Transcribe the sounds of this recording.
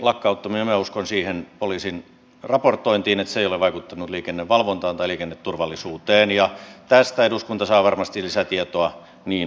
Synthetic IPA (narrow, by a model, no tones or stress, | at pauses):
lɑkːɑut̪ːɑminemæuskonsiːhenpoliːsin | rɑport̪ːˑoint̪iːnet̪seˑijoleʋʋɑikut̪ːɑnut̪liːkenːeʋʋɑlʋont̪ɑːnt̪ɑiliːkenːet̪turʋɑlːˑisuːt̪eːnjɑt̪æst̪æeduskunt̪ɑsɑːʋɑrmɑst̪ilisæt̪iet̪oɑ | niːn